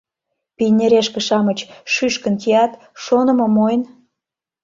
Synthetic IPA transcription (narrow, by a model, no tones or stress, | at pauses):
pinʲeɾeʃkĕʃɑmət͡ɕʃyʃkə̆nkiɑt̪ | ʃonə̆mɤmojn